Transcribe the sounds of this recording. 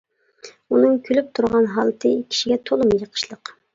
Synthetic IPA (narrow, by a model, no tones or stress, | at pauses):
unɨŋkʲʰølyp̚t̪ʰuɾʁɑnɦɑlˠt̪ʰɨkʲʰi̥ʃiɡʲɛt̪ʰolˠumjəqʰə̥ʃlˠəq